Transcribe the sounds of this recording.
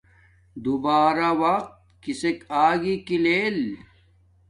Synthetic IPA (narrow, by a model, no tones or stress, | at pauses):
d̪ubaːɾawɐq̚t̪̚kisekaːɡikileːl